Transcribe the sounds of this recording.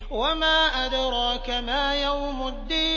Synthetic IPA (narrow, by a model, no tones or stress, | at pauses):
wamaːʔad̪ɾˤɑːkamaːjawmʊd̪ːiː